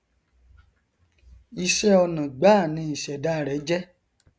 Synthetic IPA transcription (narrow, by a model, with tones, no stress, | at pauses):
i˧ʃɛ˦ɔ˧nã˨ɡ͡ba˦˨nĩ˨˦i˨ʃɛ˨da˨˦˨ɾɛ˨˦d͡ʒɛ˦